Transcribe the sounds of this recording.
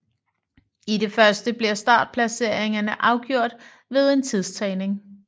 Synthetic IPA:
ide̝fɶɐsd̥əb̥liɐsd̥ɑ̰̈ːd̥̚pʰlæse̝̰ɐ̰eŋɐnəʔɑ̈ʊɡ̥jo̝ɐ̰d̥ | ʋe̝ð̞ˠe̝nt͡sʰið̞ˠst͡sʰʁɛːne̝ŋ

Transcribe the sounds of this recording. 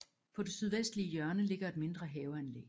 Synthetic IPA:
pʰɒ̽d̥e̝syð̞ˠʋesd̥liəjɶɐnəle̝ɡ̥ɐe̝d̥me̝nd̥ʁɐɦɛːʊænleɡ̥̚

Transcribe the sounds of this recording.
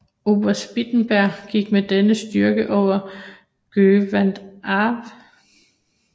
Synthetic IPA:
o̝ːb̥ɐsb̥id̥n̩b̥æɐ̰ɡ̥iɡ̥med̥enəsd̥yɐɡ̥əʔɒʊ̰ɐ | ɡ̥øːʋænd̥ʔɑʋ

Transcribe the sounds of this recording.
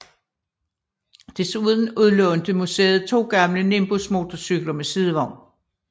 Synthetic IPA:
d̥e̝suðˠn̩uðˠlɔ̽ʊnd̥əmusḛːɐð̞̩ˠt͡sʰo̝̰ːɡ̥ɑ̈mləne̝mb̥o̝smo̝t͡sʰosyɡ̥lɐmesið̞ˠəʋɒʊ̰n

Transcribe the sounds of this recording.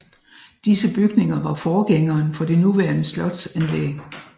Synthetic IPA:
d̥isəb̥yɡ̥ne̝ŋɐʋɑ̈fɒːɡ̥eŋɐːnfɒ̽d̥e̝nuʋæːɐnəslɒ̽d̥sænlḛːɡ̥ə

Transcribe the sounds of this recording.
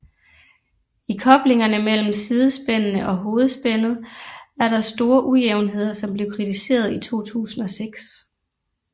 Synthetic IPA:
ikʰɒ̽b̥le̝ŋɐnəmel̰m̩sið̞ˠəsb̥enənəʔɒ̽ɦo̝ːð̞̩ˠsb̥en̰ð̞̩ˠæɐɾɑ̈sd̥o̝ːɐʔujeʊnɦe̝ð̞̰ˠɐsɒ̽mb̥le̝ʊkʰʁit͡sʰise̝̰ːɐðˠit͡sʰo̝̰ːt͡sʰṵːsn̩ɒ̽seɡ̥s

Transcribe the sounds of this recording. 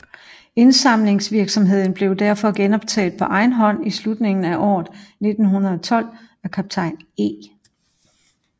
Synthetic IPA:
e̝nsɑ̈m̰le̝ŋsʋiɐɡ̥sɒ̽mɦe̝ð̰ˠn̩b̥le̝ʊd̥æɐ̰fɒ̽ɡ̥enɒ̽b̥̚t͡sʰɛ̰ːl̩ˠpʰɒ̽ʔɑ̈ɪn̩ɦɒ̽n̰islud̥ne̝ŋn̩æʔɒ̰ːð̩ˠne̝d̥n̩ɦunɐð̞ˠɒt͡sʰɒ̽l̰ | ækʰæb̥̚t͡sʰɑ̈ɪ̰ne̝̰ː

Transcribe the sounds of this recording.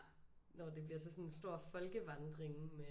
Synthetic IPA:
nod̥e̝b̥liɐsɒ̽sɒ̽nensd̥o̝ɐ̰fɒ̽lɡ̥əʋɑ̈nd̥ʁeŋme

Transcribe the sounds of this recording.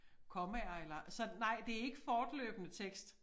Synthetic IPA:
kʰɒ̽mæɐelɐsɒ̽nɑ̈ɪ̰d̥e̝æɐe̝ɡ̥əfɒːd̥lø̰ːb̥nət͡sʰeɡ̥sd̥

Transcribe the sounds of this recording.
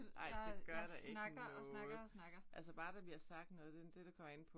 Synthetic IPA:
ʔɑɪ̰d̥eɡ̥ɶɐɾ̥ɑʔeɡnɑɡ̥ɐɒsnɑ̥̈ɐɒsnɑ̈ɡ̥ɐʔælsəb̥ɑ̈ːd̥æʋiɐsɑ̈ɡ̥̚d̥nɔ̽ːð̞̩ˠd̥ed̥e̝d̥ɑ̈kʰɒ̽m̰ɐe̝npʰɔ̽

